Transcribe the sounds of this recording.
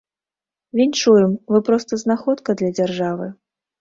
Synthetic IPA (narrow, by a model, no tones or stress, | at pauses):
vʲint͡ʂujɛmvɨpɾɔst̪ɐznaxɔt̪kɐd̪lʲɐd͡zʲarʐavɨ